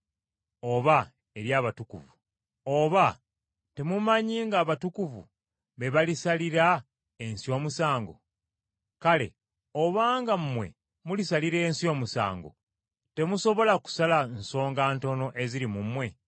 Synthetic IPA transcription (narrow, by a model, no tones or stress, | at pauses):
o̞βa | e̞ɾjaːβatukuvu | oβa | te̞mumaɲiːŋɡaːβatukuvṵ | βe̞βalisaliɾa | ensio̞ːmusaːŋɡo̞̰ | kale̞̰ | oβaːŋɡamumwe̞̰ | mulisaliɾe̞ːnsijo̞ːmusa̰ːŋɡo̰ | te̞muso̞βo̞laku̥salanso̞ːŋɡaːnto̞no̞ʔe̞ziɾimumwe̞